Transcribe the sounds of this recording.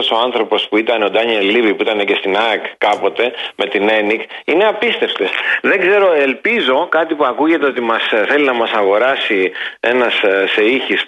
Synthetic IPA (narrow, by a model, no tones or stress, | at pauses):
so̞ɐnθɾo̞po̞spuit̪ɐne̞o̞d̪ɐɲelivipuit̪ɐne̞ce̞st̪inɐkkːɐpo̞t̪e̞me̞t̪ine̞nikine̞ɐpist̪e̞ft̪e̞sðe̞ɡze̞ɾo̞e̞lpizo̞kɐt̪ipuɐkuʝe̞t̪eot̪imɐsθe̞linɐmɐsɐɣo̞ɾɐsie̞nɐsse̞içis